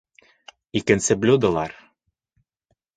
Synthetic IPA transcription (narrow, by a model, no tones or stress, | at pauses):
ikɘ̆nsɘ̆blʲud̪ɤ̆lˠɑɾ